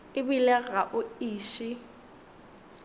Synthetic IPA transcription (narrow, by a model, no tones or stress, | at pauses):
ɪbilɛɣaʔʊiːʃɪ